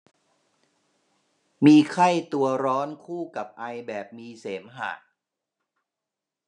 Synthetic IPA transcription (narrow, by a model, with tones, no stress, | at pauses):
miː˧kʰa˥˩jt̪u˧ɐɾɔː˦˥nkʰuː˥˩ka˨˩p̚ʔa˧jbɛː˨˩p̚miː˧seː˩˦mɦa̰ː˨˩t̪̚